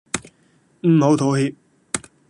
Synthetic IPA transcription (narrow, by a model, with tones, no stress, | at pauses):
m̩˨˩ho˨˥wt̪ʰo˨˧whiː˧p̚